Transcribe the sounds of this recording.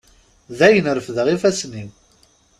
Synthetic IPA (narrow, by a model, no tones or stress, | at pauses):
ðæjənəɾfðəʁifæsnim